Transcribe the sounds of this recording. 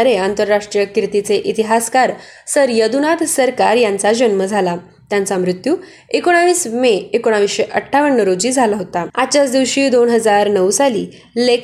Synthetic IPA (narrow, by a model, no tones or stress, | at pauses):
ɾeant̪əɾːaʂʈɾijəkɾit̪it͡seʔit̪iɦaskaɾ | səɾjəd̪unat̪səɾkaɾjant͡sad͡ʑənməd͡zʱala | t̪jãnt͡samɾut̪juː | ekoɽ̃aʋiːsmeekoɽ̃aʋisɕeʔəʈʰːaʋəɳːəɾod͡ʑiːd͡zʱalaɦot̪aat͡ɕjat͡sd̪iʋɕiːd̪onɦəd͡zaɾnəwsalḭː | lek